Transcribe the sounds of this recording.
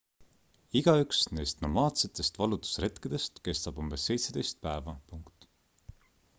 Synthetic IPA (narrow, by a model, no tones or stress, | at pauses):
iɡ̥ɑyksne̞̰jst̪no̞̰mɑːt̪se̞t̪ːˑe̞st̪vɑlut̪u̥srɾe̞t̪kid̪̥e̞st̪ke̞st̪ɑb̥umb̥e̞sːe̞jt̪se̞d̪e̞jst̪̚pæevɑpuŋkt̪